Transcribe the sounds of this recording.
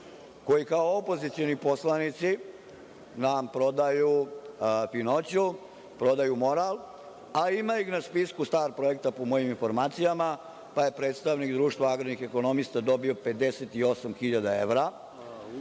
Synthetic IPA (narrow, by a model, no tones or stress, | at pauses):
ko̞jikaoopo̞zit̪sijo̞nipo̞slˠanit̪si | nampɾo̞d̪aju | fino̞t͡ɕu | pɾo̞d̪ajumo̞ɾal | aimaixnaspiskust̪aːɾpɾo̞e̞k̚t̪apo̞mo̞jiminfo̞ɾmaːt̪sijama | paje̞pɾet̪st̪aʋnikd̪ɾuːʃt̪ʋaaɡɾod̪nixe̞ko̞no̞mist̪ad̪o̞biope̞d̪e̞set̪io̞samxiʎad̪ae̞ʋɾa